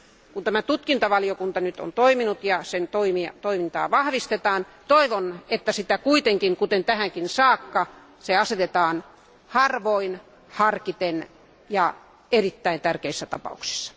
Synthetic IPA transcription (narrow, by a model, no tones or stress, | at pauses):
kunt̪æmæt̪ut̪kint̪ɑʋɑlijokunt̪ɑnyt̪o̰nt̪oiminut̪jɑsent̪oimiɑt̪oimint̪ɑ̰ːʋɑhʋist̪et̪ɑːnt̪oiʋonet̪ːæsit̪ækuit̪eŋkiŋkut̪ent̪æhæŋkinsɑːkːɑ | seɑset̪et̪ɑːn | hɑrʋoin | hɑrkit̪en | jɑ | erit̪ːæint̪ærkeisːæt̪ɑpɑ̰uksi̥sːɑ̥